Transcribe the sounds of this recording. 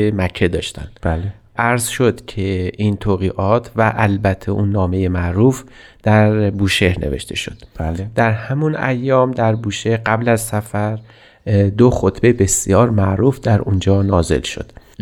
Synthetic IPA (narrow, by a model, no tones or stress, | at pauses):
emækʰːe̞d̪ɒːʃt̪æ̰nbl | ʔæɾzʃo̞d̪cʰe̞ʔint̪ʰoɣiːʔɒːt̪ʰvæʔælbæt̪ʰːeʔunːɒːme̞jemæʔɾuːf | d̪̥æɾbuːʃe̞hne̞̰ve̞̰ʃt̪e̞̰ʃo̞d̪̥d̪æɾhæmunʔæ̰jːɒːmd̪æɾbuːʃehɢæblæzsæfæɾ | d̪oxot̪ʰbe̞be̞sjɒːɾmæʔɾuːfd̪æɾʔund͡ʒɒːnɒːze̞̰lʃo̞̰d̪̥